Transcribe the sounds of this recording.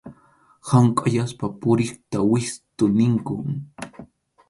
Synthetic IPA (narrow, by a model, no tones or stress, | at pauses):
hamkʼaʎaspapʊɾɪχt̪awɪst̪ʊnɪŋkʊŋ